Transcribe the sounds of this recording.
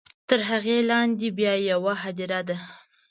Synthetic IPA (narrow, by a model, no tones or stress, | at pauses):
t̪əɾɦaɣelɑnd̪ebjɑjawaɦad̪iɾad̪a